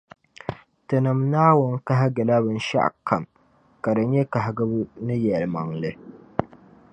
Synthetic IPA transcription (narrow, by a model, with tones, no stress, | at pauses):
tɨ˨nɨ˨mnaː˦wʊ˦n˦ka˦ɦa˦ɡɨ˨la˦βɨ˦n̩˦ʃa̰˦ʔkʰa̰˨m | ka˨dɨ˨ɲɛ˦ka˨ɦɡɨ˦bnɨ˦jɛ˨lma˨ŋlɨ˦